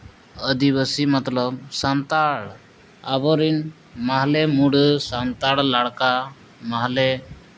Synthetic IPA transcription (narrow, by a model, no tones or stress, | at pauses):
əd̪ibəsimat̪ləb̚sant̪aɽ | a̰bɔɾin | maɦlɛmuɽsant̪aɽlaɽka | maɦlɛ